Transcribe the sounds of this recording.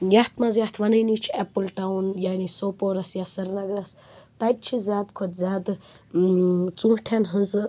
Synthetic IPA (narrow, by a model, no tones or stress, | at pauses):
jɐht̪ʰmɐzjaht̪ʰʋɐnɐjnit͡ʃʰiɛpɨlʈawnjaːnisopoɾɐsjasɐɾnɐɡɾɐs | t̪ɐt̪̚t͡ʃʰizʲaːd̪kʰot̪zʲaːd̪ | t͡sũːhʈʰʲanɦɨnzɨ